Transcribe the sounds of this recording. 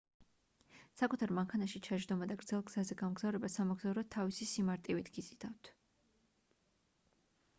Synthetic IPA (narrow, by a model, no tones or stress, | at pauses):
sakʼut̪ʰaɾmaŋkʰanaʃit͡ʃʰad͡ʒɾd̪ɔmad̪aɡɾd̪z̥ɛlˠɡz̥azɛɡamɡzavɾɛbasamaɡzavɾɔt̪ʰːavisisimaɾt̪ʼivit̪ʰɡid̪zʼid̪aft̪ʰ